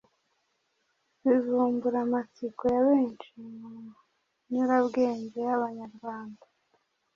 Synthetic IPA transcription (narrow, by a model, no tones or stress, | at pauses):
βizuːmbuɾamat͡sikojaβeːnt͡ʃimu | ɲuɾaβɡeːɲɟejaβaɲaɾɡwaːnda